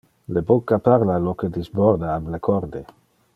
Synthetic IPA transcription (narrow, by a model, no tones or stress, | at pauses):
lebokːapaɾlaloked̪izbɔɾd̪aːblekʰɔɾd̪e